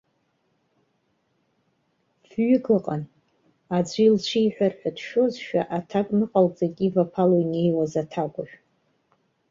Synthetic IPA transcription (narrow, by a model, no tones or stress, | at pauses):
vɥʏɡɨqʼan | ad͡ʒʷilt͡ʃʷʰijħʷᶣarħʷᶣadʃo̞zʃᶣaʔatʰakʼnɨqʼalt͡sʼaɡʲʼivapʰaloine̞jwazatʰakʷʼaʒᶣ